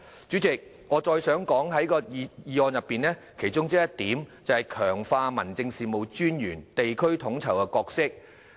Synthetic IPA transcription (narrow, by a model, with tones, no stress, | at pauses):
t͡ʃyː˨˥t͡sɪ˨k̚ | ŋɔː˨˧t͡ʃɔː˧jsœː˨˥ŋkɔː˨˥ŋɦɐ˨˥jkɔː˧i˧jiː˨˧ɔː˨˧njɐ˨pːiː˨nlɛː˥ | kʰe˨˩jt͡ʃʊ˥ŋt͡si˥jɐ˥t̚t̪iː˨˥mt͡sɐ˨whɐ˨˩jkʰœː˨˩ŋfaː˧mɐ˨˩nt͡sɪ˧ŋsiː˨mo˨wt͡ʃyː˥njyː˨˩nt̪e˨jkʰɵ˥ɥt̪ʰʊ˨˧˥ŋt͡sʰɐ˨˩wkɛ˧kɔː˧k̚sɪ˥k̚